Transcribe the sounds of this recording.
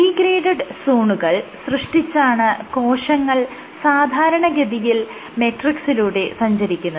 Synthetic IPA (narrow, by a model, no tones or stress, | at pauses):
iːɡɾeːɖɐɖsuːɳuɣɐɭsrɨʂʈit͡ɕːaːɳɨko̞ːʂɐŋːɐɭ | saːd̪ʱaːɾɐɳɐɡɐd̪ijil | meʈriksiluːɽe̞sɐɲd͡ʑɐɾikʲːunːɐ